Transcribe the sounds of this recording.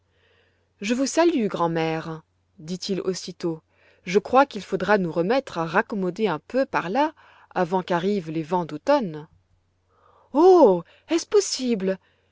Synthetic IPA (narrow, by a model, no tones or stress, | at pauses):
ʒəvusalyɡʁɑ̃mɛʁ | d̪it̪ʰilo̰sit̪o | ʒəkχwakilfod̪ʁanuʁəmɛt̪χaʁakɔmɔd̪eɛ̃pøpaʁla | avɑ̃kaʁivlevɑ̃d̪ot̪ɔn | o | ɛspɔsibl